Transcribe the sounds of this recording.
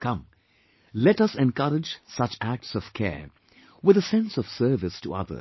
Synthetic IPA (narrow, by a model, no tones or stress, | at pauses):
kʰʌ̃m | lɛɾʌsɛ̃nkʌɾɨd͡ʒsʌt͡ʃæk̚tsʌv̥kʰɛ̰ɹ | wɨðəsɛ̃nsʌv̥sɜ˞vɨstʰəʌ̰ðə̰˞